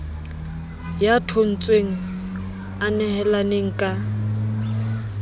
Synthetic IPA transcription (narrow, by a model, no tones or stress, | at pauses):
jatʰʊn̩t͡sʼweŋ̩ | anɛhɛlaneŋ̩kʼa